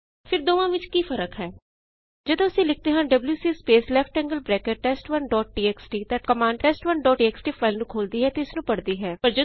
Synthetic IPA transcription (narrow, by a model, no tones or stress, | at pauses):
fʰɪɾd̪oːʋãːʋɪt͡ʃkiːfəɾəkɦɛː | d͡ʒəd̪õʊsẽːlɪk̚ʰt̪eːɦãːɖəbljuːsiːspeːslɛːpʰʈɛ̃ːŋɡəlbɾɛːkəʈːɛːsʈʋənɖɔːʈ̚ʈiːɛːksʈiːt̪ɛʈkəmãːɳɖʈɛːsʈʋənɖɔːʈiːɛːksʈiːpʰaːɪlnũːkʰoːld̪iːɦɛːt̪eʊsnũːpəɽd̪iːɦɛːpəɾd͡ʒə